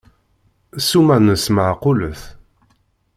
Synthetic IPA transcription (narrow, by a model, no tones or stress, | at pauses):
sumænəsmaʕqʊləθ